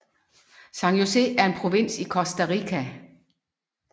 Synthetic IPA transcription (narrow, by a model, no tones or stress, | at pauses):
sɑ̈ŋjose̝æɐe̝npʰʁo̝ʋin̰sikʰɒ̽sd̥æʁikʰæ